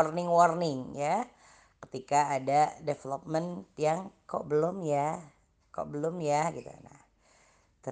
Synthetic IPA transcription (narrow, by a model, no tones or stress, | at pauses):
ɔrnɪŋwɔrnɪŋja | kə̥t̪ikaːdadefelop̚mənt̪jaŋko̰ʔbəlʊmja | kɔ̰ʔbəlʊmjaɡit̪ṵna̰h | t̪ə